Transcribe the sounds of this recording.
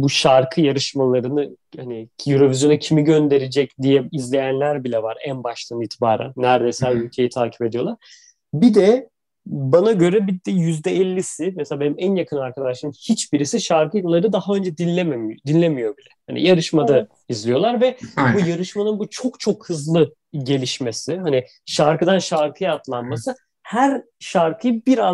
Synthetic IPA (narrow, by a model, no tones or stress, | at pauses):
buʃaɾkʰɯjaɾɯʃmalˠaɾɯnɯ | hanijuɾo̞vizjo̞nucʰimiɟø̞nd̪e̞ɾed͡ʒɛcd̪ijɛizlʲe̞jænlʲæɾbilʲɛvaɾænbaʃt̪ʰˠaniːt̪ʰibaːɾa̰nːæɾd̪esælʲylʲcʰe̞jit̪ʰaːcʰi̥pe̞d̪ijo̞lˠaɾ̥ | bid̪ɛ | banaɟø̞ɾɛbid̪ɛjyzd̪ɛɛlʲːisɪmɛselʲaːbe̞nimænjakʰɯnaɾkʰad̪aʃlˠaɾɯmhit͡ʃbiɾisiʃaɾkɯjolˠːaɾɯd̪ahaø̞nd͡ʒɛd̪inlʲːememd̪inlʲemijo̞bilʲɛhanḭjaɾɯʃmad̪a | izlijo̞lˠaɾvɛbujaɾɯʃmanɯnbut͡ʃʰo̞kt͡ʃʰo̞khɯzlˠɯ | ɟe̞lʲiʃme̞sɪɦani | ʃaɾkɯd̪anʃaɾkʰɯjaat̪lˠanmasɯ | hæɾ | ʃaɾkʰɯjɯbiɾa